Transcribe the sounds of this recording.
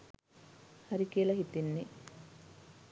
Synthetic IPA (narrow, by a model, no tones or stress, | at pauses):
hɐɾikiəlɐɦit̪inːe